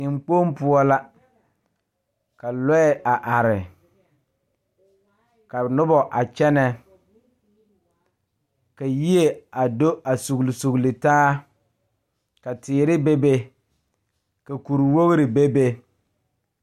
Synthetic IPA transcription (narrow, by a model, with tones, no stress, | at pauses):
ɪ˨ŋ͡mk͡po˦mpʊ˦ɔ˦la˦ | ka˨lɛ˦ɛ˨a˨ʔa˨ɾɪ˨ | ka˨nʊ˦bɔ˨ʔa˨t͡ʃɛ˦nɛ˦˨ | ka˨ji˦e˨a˨do˦a˨su˨ɣlsu˨ɣli˨taː˦ | ka˨tɪː˨ɾɪ˦be˦be˦ | ka˨ku˨ɾi˨wo˦ɣɾɪ˨be˦be˦